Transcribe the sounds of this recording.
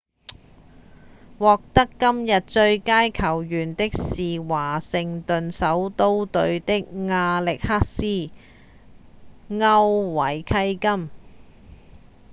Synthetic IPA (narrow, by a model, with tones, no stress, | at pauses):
wɔː˨k̚t̪ɐ˥kːɐ˥mjɐ˨t̚t͡ʃɵ˧ɥkaː˥jkʰɐ˨˩wjyː˨˩nt̪ɪ˥k̚siː˨waː˨˩sɪ˨ŋt̪ɵ˨nsɐ˨˥wt̪o˥wt̪ɵ˧ɥt̪ɪ˥k̚ŋaː˧lɪ˨k̚haː˥k̚siː˥ | ŋɐ˥wːɐ˨˩jkʰɐ˥jkɐ˥m